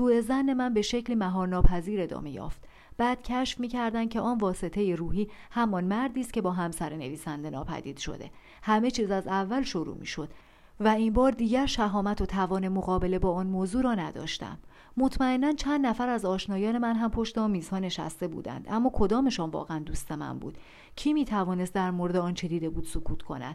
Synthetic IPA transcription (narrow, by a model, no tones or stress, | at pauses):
suːe̞zænːe̞mænbe̞ʃecʰliːmæɦɒːɾnɒːpʰæziːɾe̞d̪ɒ̰ːme̞jɒ̰ːft̪ | b̥æːd̪̥cʰæʃfmiːcʰæɾd̪ænd̪̚cʰeʔɒːnvɒːse̞t̪ʰe̞jeɾuːɦiːhæmɒnmæɾd̪iːst̪̚cʰe̞bɒːɦæmsæɾene̞̰viːsænd̪e̞nɒ̰ːpʰæ̰d̪ḭːd̪ʃo̰d̪e̞̰ | hæme̞t͡ʃʰiːzæzævːælʃoɾṵːmḭːʃo̞d̪̥ | væimbɒːɾd̪iːɟæɾʃæɦɒːmæt̪ʰo̞t̪ʰævɒːne̞moɣɒːbe̞le̞bɒːɒːnmoːzuːɾɒːnæd̪ɒ̰ːʃt̪æ̰mː | o̞t̪ʰmæe̞nːænt͡ʃʰænd̪næfæɾæzɒːʃnɒːjɒːne̞mænɦæmpʰo̞ʃt̪eɒːmiːzhɒːne̞ʃæ̰st̪ebṵːd̪æ̰nd̪ʔæmːɒːkʰo̞d̪ɒːme̞ʃɒːnvɒ̰ːɣeænd̪uːst̪e̞mæ̰mbṵːd̪̥ | cʰiːmiːt̪ʰævɒːne̞st̪̚d̪æɾmoɾe̞d̪eɒːnt͡ʃʰe̞d̪iːd̪e̞buːd̪̥sokʰuːt̪ʰkʰo̞̰næ̰d̪̥